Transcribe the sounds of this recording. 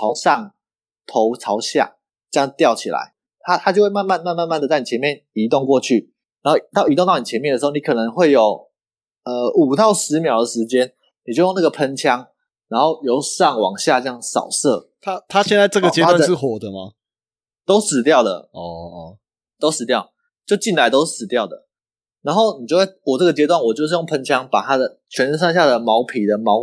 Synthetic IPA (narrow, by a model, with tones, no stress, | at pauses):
ɑ˧˦ʊsɑ˥˨ŋ | t̪ʰo˨˧˦ʊt͡sʰɑ˧˥ʊɕja̰˥˨˩ | t͡ɕjɑ˥ŋt̪jɑ˥˨ʊt͡ɕʰḭ˨˩la̰˧˦ɪ | t̪ʰa˥t̪ʰa˥t͡ɕjo˥˧xwe˥˧ma˥˧nma˥˧nma˥˧nma˥˧nma˥˨nd̪ə˩t͡sa˥˩ɪn˨˩t͡ɕʰɛ˧˦nmjɛ˥˨ni˧˥t̪o˥˧ŋkwɔ˥˧t͡ɕʰy˥˩ | na˨˦nho˥˩t̪ʊi˧t̪o˥˧ŋt̪ɑ˥˩ni˨t͡ɕʰɛ˧˦mjndə˩ʂ̩˧˥o˥˧ni˧˦kʰɤ˨˩nə˧˦ŋxwe˥˩ɪjo˨˩ʊ | ə˧u˨˩t̪ɑ˥˩ʊʂɻ̩˧˦mjɑ˨˩ʊd̪ə˨ʂɻ̩˧˦t͡ɕjɛ˦n | ni˨˩t͡ɕjjna˥˩ɡə˩pʰə˦nt͡ɕʰjɑ˦ŋ | ɻa˧˥nxo˥˩ʊjo˧˥ʊsɑ˥˩ŋwɑ̰˨˩ŋɕja˥˧t͡ɕə˥jɑ˥˩ŋsɑ̰˨˩ʊsɤ˥˩ | t̪ʰa˥t̪ʰa˥ɕjɛ˥˧nt͡sa˥˧ɪʈ͡ʂə˥˨ɡə˨˥t͡ɕjɛ˧˦t̪a˥˨n˨ʂɻ̩˥˩xwɔ˨˩d̪ə˦ma̰˨ | t̪o˥ʊsɹ̩˨˩t̪jɑ˥˩ʊd̪ə̰˩ | t̪o˥ʊʂɻ̩˨˩t̪jɑ˥˩ʊ | t͡ɕjo˥˧ʊt͡ɕi˥˩nla˧˦ɪt̪o˥ʊʂ̩˥˩sɹ̩˨˩t̪jɑ˥˩ʊd̪ə̰˩ | na˧˥nxo˥˩ʊni˨t͡ɕjo˥˧˥wɔ˨˩ə˥˩ɡə˩t͡ɕjɛ˧˥t̪wa˥˩nwɔ˨˩t͡ɕjo˥˧ʊʂɻ̩˥˧jo˥˩ŋpʰə˧˦nt͡ɕʰjɑ˥ŋpa˨˩t̪ʰa˥d̪ə˨˩ | t͡ɕʰɥɛ˧˥nə˥˧nʂ̬ɑ˥˧ŋɕja˥˩d̪ə˩mɑ˧˥ʊpʰi˨˩d̪ə˦mɑ˧˥ʊ